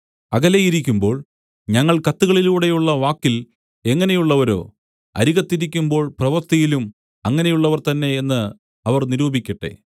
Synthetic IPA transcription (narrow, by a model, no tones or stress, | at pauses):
ɐɣɐlejiɾikʲːumbo̞ːɭ | ɲɐŋːɐɭkɐt̪ːuɣɐɭiluːɽe̞juɭːɐʋaːkːil | e̞ŋːɐne̞juɭːɐʋɐɾo̞̰ː | ɐ̰ɾiɣɐt̪ːiɾikʲːumbo̞ːɭprɐʋɐrt̪ijilum | ɐŋːɐne̞juɭːɐʋɐrt̪ɐnːe̞ːnːɨ | ɐʋɐrniɾuːbikʲːɐʈːe̞̰